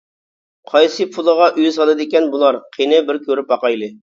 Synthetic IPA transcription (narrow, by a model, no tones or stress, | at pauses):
qʰɑjsɨpʰulˠəʁɑʔyjɪsɑlˠɨd̪ɪkʲɛnbulˠɑɾqʰenɨbɪɾkʲʰøɾypɑqɑjlˠɨ